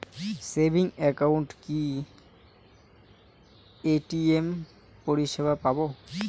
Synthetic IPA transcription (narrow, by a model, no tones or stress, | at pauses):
sebʱiŋekawɳʈki | eʈiem | poɾiʃebʱapabo